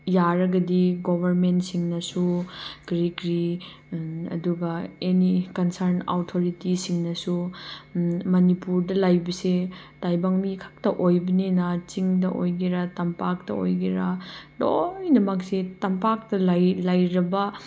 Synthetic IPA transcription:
jaɾɐɡɐdiɡobʱɐɾmentsiŋnɐsuɡ̥ɾikɾi | ɐ̰duɡɐenikɐnsɐɾna̰wtʰoɾitisiŋnɐsu | mɐnipuɾdɐlajbɐse | tajbaŋmikʰḁk̚tɐʔojbɐninɐt͡ʃiŋdɐʔojɡiɾɐtɐmpak̚tɐ̰o̰jɡiɾɐlojnɐmɐksetɐmpak̚tɐlajlajɾɐbɐ

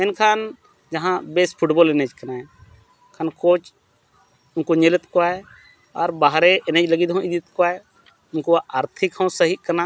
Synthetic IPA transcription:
enkʰaːn | d͡ʒɐɦãbespʰʊʈboːlned͡ʒkɐnã | kʰaːnkoːt͡ʃ | ʊnkoɲelət̪koae | ɔːɾbaɦɾeʔɪned͡ʒləɡid̪ʱɦõɪd̪it̪koae | ʊnkoaʔaːɾt̪ʰɪkhõsəɦiʔkːɐna

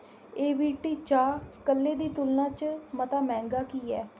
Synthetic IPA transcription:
eːʋiːʈiːt͡ʃaːkəlːeːd̪iːt̪ʊlnãːt͡ʃmət̪aːmɛ̃ːŋɡaːkiːɛː

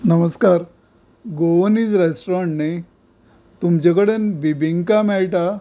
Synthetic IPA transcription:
nəməskaɾ | ɡoʋənid͡zɾesʈɾaɳʈne | t̪umt͡ɕakəɽenbibiŋkamɛɭʈa

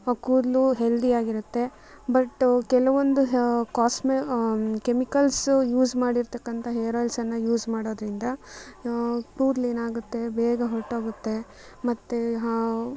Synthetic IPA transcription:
kuːɾluɦeld̪ijaːɡiɾut̪ːe̞ | bɐʈːkɛlɐʋond̪uɦkaːsmekemikɐlsjuːd͡ʒmaːɽiɾt̪ɐkːɐnt̪ʰɐɦeːɾaːlsɐnːɐjuːd͡ʒmaːɽo̞ːd̪ɾind̪ɐ | kuːɾleːnaːɡut̪ːe̞bɛːɡɐɦoʈːaːɡut̪ːe̞ | mɐt̪ːe

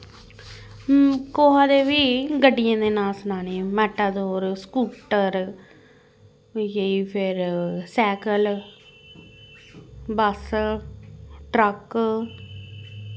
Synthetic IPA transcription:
koːɦaːd̪eːʋiːɡəɖɪjãːd̪eːnaːlsənaːneːmɛːʈaːd̪oːɾskuːpʈəɾ | jəiːpʰɪɾsɛːkəl | bəs | ʈɾək

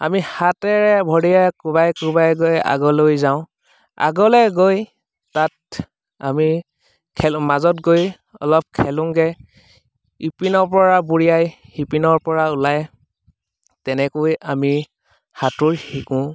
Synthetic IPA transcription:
a̰mihatɛɹɛbʱɔɹijakubajkubajɡoja̰ɡɔlojzaʊ̃ | a̰ɡɔlɛɡoj | tat | ami | kʰɛlmazɔt̚ɡoj | ɔ̰lɔp̚kʰɛlʊ̃ŋɡɛ | ipinɔɹpɔɹabuɹijajhipinɔɹpɔɹaulaj | tɛnɛkojami | hatʊɹhikʊ̃

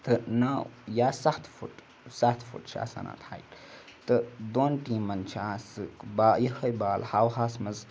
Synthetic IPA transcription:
t̪ɨnajaːsɐxt̪ʰfuʈ | saxt̪ʰfṵʈt͡ʃʰa̰ːsa̰na̰t̪ʰa̰ːjʈt̪ɨd̪oːnʈimɐnt͡ʃʰaːsɨkbaːjihɐjbaːlhaːwɦaːsmɐz

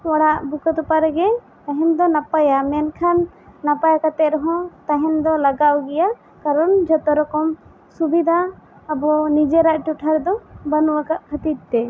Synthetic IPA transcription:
wɔɽaʔbukət̪upaɾɡɛ | t̪aɦɛnd̪ɔnapajamɛnkʰanː | apajakat̪ɛʔɾɔɦɔ̃t̪aɦɛnd̪ɔlaɡawɡɛja | kaɾɔnd͡ʒɔt̪ɔɾɔkɔm | subid̪ʱaː | bɔnid͡ʒɛɾaʔʈuʈʰaɾd̪ɔbanuwakaʔpʰət̪it̪̚t̪ɛ

